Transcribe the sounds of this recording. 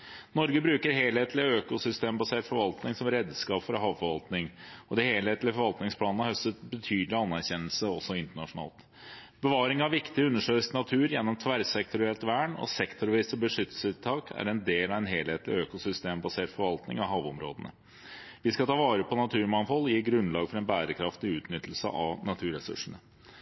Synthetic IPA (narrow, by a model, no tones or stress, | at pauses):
nɔɾɡəbɾʉːkəɾɦeːlheːt̪lɪøːkʊsʏst̪eːmbɑseːʈfɔɾʋɑlt̪nɪŋsɔmɾeːd̪skɑːpfɔɾɑɦɑːʋfɔɾʋɑlt̪nɪŋɔd̪ɛheːlheːt̪lɪəfɔɾʋɑlt̪nɪŋspʰlɑːnnəhœst̪ət̪bət̪ʰyːd̪lɪɑnːæɾçɛnːəlsəɔsːɔɪnt̪əɳɑʂʊnɑ̰ːlt̪ | b̥əʋɑːɾɪŋɑʋʋɪkt̪ɪʉnːəʂøːsnɑt̪ʰʉːɾjɛnːɔmt̪ʰʋæɾsɛk̚t̪ʊɾɪɛlt̪ʋæːɳɔ̰sɛkt̪ʰʊɾʋiːsbəʂʏt̪ːəl̩sʉt̪t̪ʰːɑːkʰæ̰ɾɛnd̪eːlɑʋɛnɦeːlheːt̪lɪ̰øːkʊsʏst̪eːmbɑseːʈfɔɾʋɑlt̪nɪ̰ŋɑɦɑːʋɔmɾo̰ːd̪ənə̰ | ʋɪskɑt̪ʰɑːʋɑːɾəpʰɔnɑt̪ʰʉːɾmɑnfɔljiːɡɾʉnlɑːɡfɔɾɛnbæːɾəkʰɾɑft̪ɪʉːt̪nʏt̪ːl̩sə̰ʔɑʋnɑt̪ʰʉːɾɛsʉ̰ʂɳ̩ə